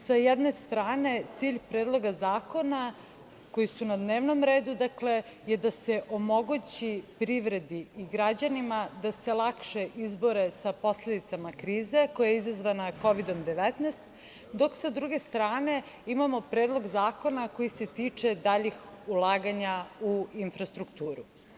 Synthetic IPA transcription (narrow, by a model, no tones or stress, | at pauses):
sajɛd̪ne̞st̪ɾaːne̞t̪siːʎpɾeːd̪lˠo̞ɡazaːko̞na | ko̞jisunad̪neːʋno̞mɾeːd̪ud̪akle̞jed̪aseʔo̞mo̞ɡut͡ɕipɾiʋɾe̞d̪iiɡɾad͡ʑanimad̪ase̞lˠakʃeʔizbo̞ɾe̞sapo̞sle̞d̪it̪samakɾiːze̞kojajeizazʋanako̞ʋid̪o̞md̪eʋɛt̪nɛst̪ | d̪o̞ksad̪ɾuɡe̞st̪ɾaːne̞ | imamo̞pɾeːd̪lˠo̞ɡzaːko̞nako̞jise̞t̪iːt͡ʂe̞d̪aʎixulˠaːɡaɲauinfɾast̪ɾukt̪uːɾu